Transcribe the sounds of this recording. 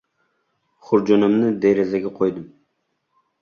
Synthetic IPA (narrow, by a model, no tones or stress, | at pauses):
χʊɾd͡ʒonɪmnɪd̪eɾezaɡʲaqʰojd̪ɪm